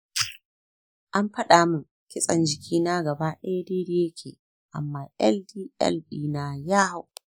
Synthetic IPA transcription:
ʔa˦mɸɐ˦ɗaː˨mʊ˨ŋ | kʲɪ˦sʼɐ˨nd͡ʒɪ˨kʲʰiː˦naː˦ɡɐ˨baː˦ɗɛ˦deː˦de˦je˦kʲʰḛː˨ | ʔa̰˨mːaː˦ʔɛ̰˦ldiː˦ʔɛ̰˦lbiː˦naː˦jaː˦ha˦w

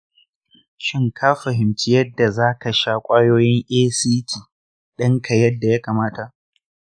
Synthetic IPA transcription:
ʃɪ˦ŋkʰaː˦ɸɐ˨ɦɪ˨mt͡ʃɪ˦jɐ˦dːa˨zaː˦ka˨ʃaː˦kʷʼaː˦joː˦jɪ˦ŋʔeː˦siː˦tʰiː˨ | ɗɐ˦ŋkʰɐ˨jɐ˦dːa˨ja˦kaː˨maː˦ta˨ʔ

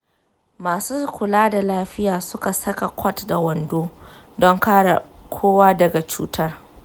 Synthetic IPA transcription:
maː˨suː˦kʷʊ˨laː˦da˨laː˦ɸɪ˦jaː˨sʊ˦ka˨sɐ˦ka˨kʷʰɔ˦tda˨wɐ˨ndoː˦ | dɔ˦ŋkaː˦ɽa̰˨kʷʰoː˦waː˦dɐ˨ɡa˨t͡ʃṵː˦tɐ˦r

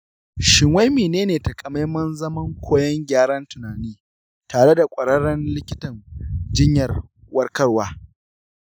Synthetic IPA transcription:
ʃɪ˨ŋwa˦jmeː˨neː˦neː˨tɐ˨kʼɐ˨ma˦jmɐ˦nzɐ˦mɐ˦ŋkʷʰoː˦jɐ˦ŋɡʲaː˦ɽɐ˦ntʊ˨naː˨niː˦ | taː˨ɽe˦da˨kʷʼɐ˨ɽɐ˦ɽɐ˦nlɪ˦kʲɪ˦tɐ˨ŋd͡ʒɪ˦ɲjɐ˨r | wɐ˦rkɐ˦rwaː˦

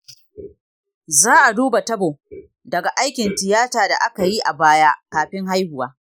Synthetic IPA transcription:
zaː˦ʔa˨duː˦ba˨tɐ˦boː˨ | dɐ˨ɡa˨ʔa˦jkʲɪ˨ntɪ˨jaː˦taː˨da̰˨ʔa˦ka˨ji˦ʔa˨baː˦jaː˦kaː˨ɸɪ˦ŋɦa˦jhʊ˨waː˦

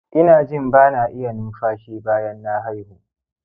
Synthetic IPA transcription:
ʔɪ˦naː˨d͡ʒɪ˦˨mbaː˦naː˨ʔɪ˦ja˨nʊ˦mɸaː˦ʃiː˦baː˦jɐ˦nːa˦ɦa˦jhu˨ʔ

